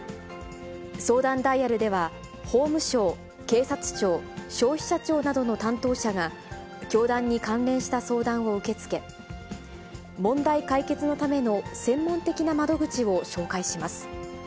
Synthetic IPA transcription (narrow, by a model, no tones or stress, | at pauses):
so̞ːd̪ãnd̪aiaɾɯ̟d̪e̞βa | ho̞ːmɯ̟ɕo̞ː | ke̞ːsat͡sɨ̥t͡ɕo̞ːɕo̞ːçʲi̥ɕat͡ɕo̞ːnad̪o̞no̞t̪ãnt̪o̞ːɕaɡa | kʲo̞ːd̪ãɲ̟ːikãnɾẽ̞ɰ̃ɕi̥t̪aso̞ːd̪ãɰ̃o̞ɯ̟ke̞t͡sɨ̥ke̞ | mõ̞nd̪aikaike̞t͡sɨno̞t̪ame̞no̞sẽ̞mːõ̞nt̪e̞kʲinamad̪o̞ɡɯ̟t͡ɕio̞ɕo̞ːkaiɕimasɨ̥